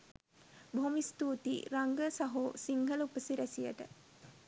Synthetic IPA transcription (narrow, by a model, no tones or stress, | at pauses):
bʱomist̪uːt̪ḭɾaŋɡəsaɦosiŋɡəlupəsiɾæsijə̰ʈə̰